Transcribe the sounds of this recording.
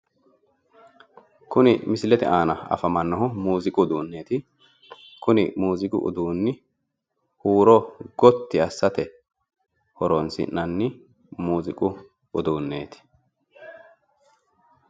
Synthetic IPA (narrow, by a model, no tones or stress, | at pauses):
kʊnɪmɪsɪlɛt̪ɛ̰ʔaːnɐɐ̰fɐmɐnːɔɦɔmuːzɪkʼʊd̪uːnːe̞ːt̪ɪ | kʊnɪmuːzɪkʼʊ̰ʔʊ̰d̪uːnːɪ | huːɾɔɡɔt̪ːɪɐsːɐt̪ɛ | hɔɾɔnsɪ̰nːɐnːɪ | muːzɪkʼʊ | ʊd̪uːnːe̞ːt̪ɪ̥